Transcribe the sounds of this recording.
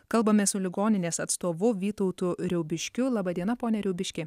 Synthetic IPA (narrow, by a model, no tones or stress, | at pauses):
kɐlˠbɐmʲesʊlʲɪɡoːnʲɪnʲeːsɐt̪st̪oːʋʊʋʲiːt̪ɔʊt̪uɾʲɛʊbʲɪʃʲkʲʊlˠɑːbɐd̪ʲiɛnɐpoːnʲɛɾʲɛʊbʲɪʃʲkʲeː